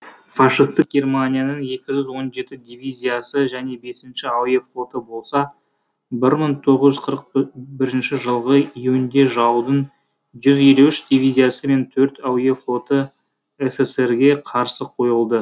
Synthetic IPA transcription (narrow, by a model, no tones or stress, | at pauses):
faʂist̪ək̚ɡʲe̞rmanʲijanəɴe̞kʲɪʒʏzwo̞nʒe̞t̪ɪd̪ivʲizʲijasəʒæne̞be̞sɪnʃɪaweflˠo̞t̪əbo̞lˠsɑ | bɪɾməɴt̪ʰo̞ʁəzʒʏz̥qʰəɾəq̚bɪɾɪnʃɪʒəlˠʁəijuɪnd̪e̞ʒɑwd̪əɴ | ʒʏzje̞luɪʃd̪ivʲijzijasəme̞nt̪ʰɵɾt̪awjeflˠo̞t̪ə | eseseɾɡʲe̞qʰɑɾsəqʰo̞jəlˠd̪ə